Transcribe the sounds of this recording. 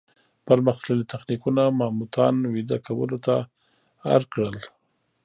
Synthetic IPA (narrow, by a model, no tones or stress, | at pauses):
pəɾməxt̪ləlit̪axnikunamamut̪ʰɑnwid̪akawə̰lot̪a | a̰ɾkɽəl